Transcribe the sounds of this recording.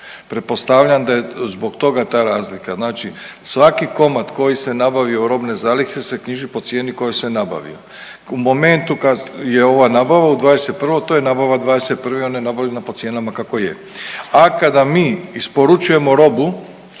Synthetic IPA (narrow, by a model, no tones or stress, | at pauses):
pɾe̞t̪̚po̞st̪aʋʎand̪aje̞zbo̞ɡt̪o̞ɡat̪aːɾaːzlikaznaːt͡ʃisʋakiko̞mat̪ko̞jise̞nabaʋioɾo̞bne̞zaːlixesekɲiʒipo̞t̪sje̞ːniko̞jesenaba̰ʋḭo̰ | umo̞me̞nt̪ukajeo̞ʋanaːbaʋaud̪ʋaːd̪ese̞t̪̚pr̩ʋo̞t̪oje̞naːbaʋad̪ʋaːd̪ese̞t̪̚pr̩ʋeo̞najenabaʋʎenapo̞t̪sje̞ːnamakako̞jḛ | akad̪amiːispo̞ɾut͡ʃuje̞mo̞ɾo̞bu